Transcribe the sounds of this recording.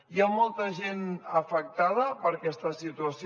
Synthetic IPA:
jamɔlˠt̪əʒenəfək̚t̪að̞əpəɾkɛst̪əsit̪uəsi

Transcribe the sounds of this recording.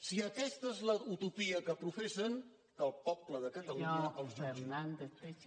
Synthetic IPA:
siəkɛst̪əezləut̪upiəkəpɾufesən | kəlˠpɔpləðəkət̪əluɲlfeɾnand̪epe

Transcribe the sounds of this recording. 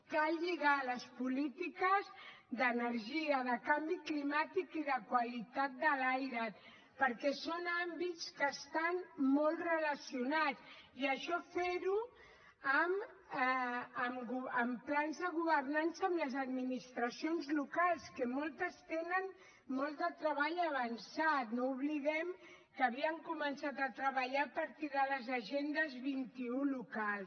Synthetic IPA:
kalʎiɣaləspulit̪ikəz | ðənəɾʒiəðəkambiklimat̪ikiðəkwalit̪at̪̚d̪əlajɾə | pəɾkɛsonambitt͡skəːst̪anmɔlˠrələsiunat͡siəʃɔfeɾu | əm | əmɡuəmplanzðəɣuβərnansəəmləzəd̪minist̪ɾəsionzlukalˠskəmɔlˠt̪əst̪enən | mɔlˠd̪ət̪ɾəβaʎəβ̞ansat̪nouβliðɛm | kəβiəŋkumənsat̪ət̪ɾəβəʎapaɾt̪iðələzaʒend̪əzβint̪iulukalˠs

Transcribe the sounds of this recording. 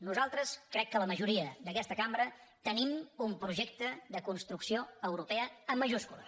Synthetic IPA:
nuzalˠt̪ɾəskɾɛkːələməʒuɾiəðəkɛst̪əkambɾət̪ənimumpɾuʒɛk̚t̪əðəkunst̪ɾuksioəwɾupɛəəmːəʒuskulə̰

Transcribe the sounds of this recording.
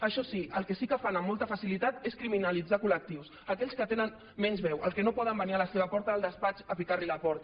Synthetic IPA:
əʃɔsiəlˠkɛsikəfanəmːɔlˠt̪əfəsilit̪at̪eskɾiminəlid͡zakulək̚t̪iws | əkɛʎskət̪enən | mɛnzβɛwəlˠkɛnopɔðəmbənialəseβ̞əpɔɾt̪əəlˠd̪əspat͡ʃəpikaɾliləpɔɾt̪

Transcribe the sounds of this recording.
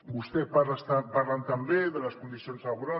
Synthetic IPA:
ɡust̪epaast̪aparlant̪ambeðelaskond̪isio̞nsaɣuɾa

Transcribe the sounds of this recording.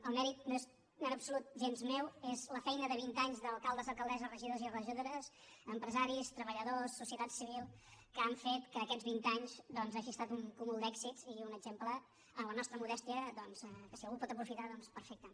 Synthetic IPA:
əlˠmɛɾit̪̚noez | nənəpsulut̪̚ʒenzmewezləfɛjnəðəβ̞int̪aɲzðəlˠkalˠd̪əzəlˠkəlˠd̪ɛzərəʒiðozirəʒiðoɾəs | əmpɾəzaɾist̪ɾəβəʎəðosːusiət̪at̪siβilˠkəaɱfet̪kəːkɛzβint̪aɲzd̪ɔnzaʒiəst̪at̪uŋkumulˠd̪ɛkzitziunəɡʒempləː | nlənɔst̪ɾəmuðɛst̪iəd̪ɔnz̥ɛkəsiəlˠɣupɔt̪əpɾufit̪aðɔnspəɾfɛk̚t̪ə

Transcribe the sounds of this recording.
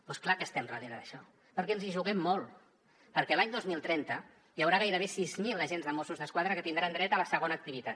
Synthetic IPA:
pɔsklakəst̪ɛmrəðeɾðəʃɔ | pəɾkɛənziʒuɣɛmːolˠ | pəɾkɛlaɲd̪ozmilˠt̪ɾɛnt̪ə | jəwɾaɣ̞ajɾəβesizmilˠəʒenzðəmosuzðəskwaðɾəkət̪ind̪ɾand̪ɾɛt̪ələsəɣ̞onəːk̚t̪iβit̪at̪̚

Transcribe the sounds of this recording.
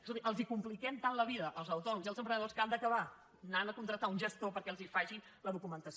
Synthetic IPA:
zðiʔəlˠzikumplikɛmt̪anləβiðəʔəlˠzəwt̪ɔnziəlˠzəmpɾənəðoskand̪əkəβa | nanəkunt̪ɾəkt̪aunʒəst̪opəɾkɛəlˠzifaʒi | ləðukumənt̪əs

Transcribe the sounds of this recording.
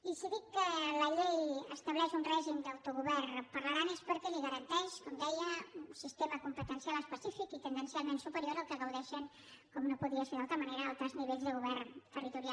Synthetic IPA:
isiðikːələʎejəst̪əβlɛʃunrɛʒimd̪əwt̪uɣuβɛrnpəɾləɾanespəɾkɛliɣəɾənt̪ɛʃkɔmd̪ɛjəunsist̪eməkumpət̪ənsialˠəspəsifikit̪ənd̪ənsialˠmensupəɾioɾəlˠkəɣəwðɛʃən | kɔmnopuðiəseɾðalˠt̪ɾəməneɾəalˠt̪ɾəzniβeʎzðəɣuβɛrnt̪ərit̪uɾial

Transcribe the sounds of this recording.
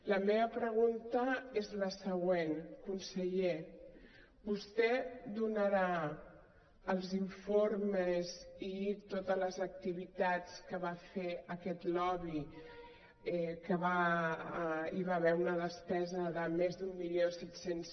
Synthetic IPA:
ləmeβəpɾəɣ̞unt̪əezləsəɣwenkunsəʎe | bust̪ɛd̪unəɾa | əlˠziɱfoɾməzit̪ot̪ələzək̚t̪iβit̪at͡skəβafeəkɛt̪lɔβi | kəβa | iβaβɛunəðəspɛzəðəmezd̪umːiljosɛt̪sens

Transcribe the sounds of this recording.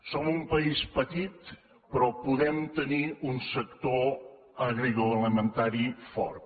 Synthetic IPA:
sɔmumpəispət̪it̪ | pɾɔpuðɛmt̪əniunsəkt̪o | əɣɾiɣuələmənt̪aɾifɔ̰ɾt̪

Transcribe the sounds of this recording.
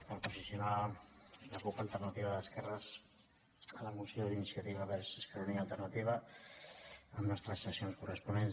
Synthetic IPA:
pəɾpuzisiuna | ləkukəlˠt̪ərnat̪iβəðəskɛrəz | ələmusjoðlinisijət̪iβəβɛɾsəskɾunialˠt̪ərnət̪iβə | əmləst̪ɾəsəsionskurəspunen

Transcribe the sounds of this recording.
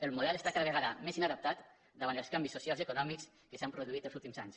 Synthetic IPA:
əlˠmuðɛlest̪akaðəβ̞əɣaðəmezinaðəp̚t̪at̪ | d̪əβant̪əlˠskambisusialˠzekunɔmiks | kəsampɾuðuit̪əlˠzulˠt̪imzaɲs

